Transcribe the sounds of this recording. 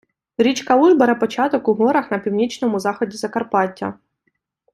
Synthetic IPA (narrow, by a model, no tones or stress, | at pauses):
ɾʲit͡ʃkɐuʒbɐɾɐpɔt͡ʃɑt̪ɔkʊɦɔɾɐxnɐpʲiwnʲit͡ʃnɔmʊzɑxɔdʲizɐkɐrpɑtʲːɐ̰